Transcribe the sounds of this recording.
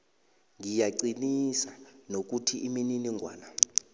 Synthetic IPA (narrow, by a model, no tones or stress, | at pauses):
ŋijaǀinisanok̬utʰiʔimininiŋʱwa̰ːna